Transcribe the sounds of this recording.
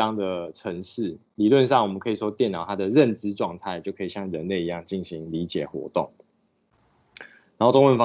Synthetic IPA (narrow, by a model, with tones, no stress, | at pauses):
ɑ˥ŋd̪ə˨ʈ͡ʂʰə˧˦ŋʂɻ̩˥˩li˨˩lwə˥˧nʂɑ˥˩ŋwɔ˨˩mə˦kʰɤ˧˥i˨˩ʂwɔ˦˥t̪jɛ˥˩nɑ˨˩ʊt̪ʰa˥d̪ə˨ɻə˥˨nʈ͡ʂɻ̩˦ʈ͡ʂwɑ˥˧ŋt̪ʰa˥˩ɪt͡ɕjo˥˩ʊkʰɤ˧˥i˨˩ɕjɑ˥˩ŋɻə˦nle˥˩ɪi˧˦˥jɑ˥˧ŋt͡ɕi˥˩nɕi˨˦ŋli˨˦t͡ɕjɛ̰˨˩xwɔ̰˧˦t̪o˥˩ŋ | na˨˩˦xo˥˩ʈ͡ʂʊ˥ŋwə˥˩nfɑ˥˦